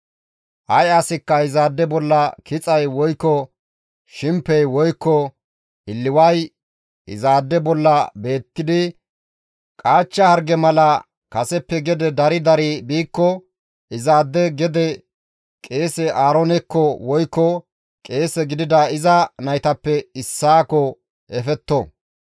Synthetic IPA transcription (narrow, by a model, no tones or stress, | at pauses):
ʔɐjɐsɪkːɐhɪzaːd̪ːɛbɔlːɐkɪt͡sʼɐjwɔjkːɔ | ʃɪmpːɛjwɔjkːɔ | ʔɪlːɪwɐj | ɪ̰zaːd̪ːɛbɔlːɐbe̞ːt̪ːɪd̪ɪ | kʼaːt͡ʃːɐhɐɾɡɛmɐlɐ | kɐsɛpːɛɡɛd̪ɛd̪ɐɾɪd̪ɐɾibiːkːɔ | ʔɪzaːd̪ːɛɡɛd̪ɛ | kʼeːsɛʔaːɾɔnɛkːɔwɔjkːɔ | kʼe̞ːsɛɡɪd̪ɪd̪ɐɪzɐnɐjt̪ɐpːɛɪsːaːkɔ | ɛfɛt̪ːɔ